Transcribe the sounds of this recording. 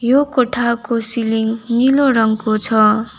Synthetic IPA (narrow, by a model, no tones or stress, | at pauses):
jokoʈʰakosiliŋniloɾʌŋkot͡sʰʌ